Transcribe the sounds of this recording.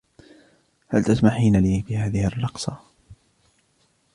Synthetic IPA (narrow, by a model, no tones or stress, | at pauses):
halt̪asmaħiːnaliːfiːhaːðɪhɪrːɑqsˤɑ